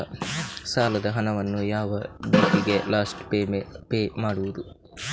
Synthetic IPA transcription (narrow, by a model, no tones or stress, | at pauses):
saːlɐd̪ɐɦɐnɐʋɐnːujaːʋɐdiːʈiɡe̞laːsʈpepeːmaːɽuʋud̪u